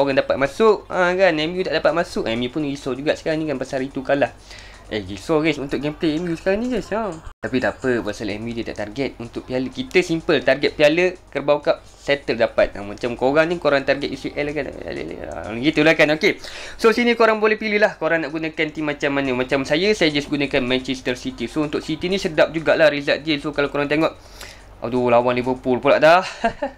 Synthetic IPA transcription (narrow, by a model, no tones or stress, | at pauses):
oɾaŋdapat̪̚masʊʔakanɛmjudaʔdapat̪̚masʊʔɛmĩpʊnɡisɔd͡ʒuɡaʔsə̥kaɾaŋnĩkanpasaɾit̪ukalah | eɣisɔɣɛsunt̪ʊʔk̚ɡɛmpleɛmjusə̥kaɾaŋnid͡ʒəsat̪apidapəbasalɛ̰mudət̪a̰ʔt̪arɡɛt̪̚unt̪ʊk̚pialəkit̪əsimpəlt̪arɡɛt̪̚pialəkərbawkaʔ | sɛt̪əldapat̪̚a̰mat͡ʃamkoɾaŋnikoɾaŋt̪arɡɛt̪̚isiʔɛlakan̰l̰ɡit̪ulahkanokesosinĩkoɾaŋbolɛhpililahkoɾaŋnaʔɡunãkant̪imat͡ʃamːanəmat͡ʃamsajəsajad͡ʒasɡunakanmɛnt͡ʃɛst̪ərsit̪isount̪ʊʔ̚sit̪inĩsədap̚d͡ʒuɡaʔlahɾizaʔdəsokalakoɾaŋt̪eŋɔʔ | ʔa̰dulawanlivərpʊlpula̰ʔdah